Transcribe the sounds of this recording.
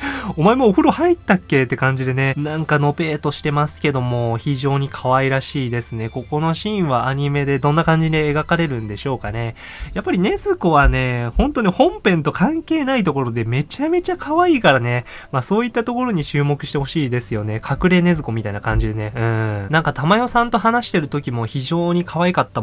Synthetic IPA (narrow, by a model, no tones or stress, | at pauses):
o̞mae̞moːɸɯ̟ɾo̞hait̪ːakːe̞t̪ːe̞kãɲ̟d͡ʑid̪e̞ne̞nãŋkano̞pe̞ːt̪o̞ɕi̥t̪e̞masɨ̥ke̞d̪o̞mo̞çiʑo̞ːɲ̟ikʰaβaiɾaɕiːd̪e̞sɨne̞ko̞ko̞no̞ɕĩβaaɲ̟ime̞d̪e̞d̪õ̞nːakãɲ̟d͡ʑid̪eːɡakaɾe̞ɾɯ̟̃nd̪e̞ɕo̞ːkane̞ | japːaɾʲine̞zɨko̞βane̞hõ̞nt̪o̞ɲihõ̞mpẽ̞nt̪o̞kʰãŋke̞ːnait̪̬o̞ko̞ɾo̞d̪e̞me̞t͡ɕame̞t͡ɕakʰaβaiːkaɾane̞ | maso̞ːit̪ːat̪o̞ko̞ɾo̞ɲ̟it͡ɕɨːmo̞kɯ̟ɕi̥t̪e̞ho̞ɕiːd̪e̞sɨjo̞ne̞kʰakɯ̟ɾe̞ne̞zɨko̞mʲit̪ainakãɲ̟d͡ʑid̪e̞neɯ̟̃nãŋkat̪amajo̞sãnt̪o̞ɦanaɕi̥t̪e̞ɾɯ̟t̪o̞kʲimo̞çiʑo̞ːɲ̟ikʰaβaikat̪ːa